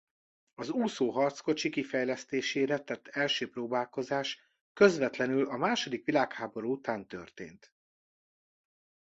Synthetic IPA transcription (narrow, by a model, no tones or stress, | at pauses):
ɒzuːsoːɦɒrt̪sko̞t͡ʃikifɛjlɛst̪eːʃeːɾɛt̪ɛt̪ʰːɛlʃøːproːbaːlko̞zaːʃ | kø̞zʋɛt̪lɛnylɒmaːʃo̞d̪ikʋilaːkhaːbo̞ɾuut̪aːnt̪ø̰rt̪ḛːnt̪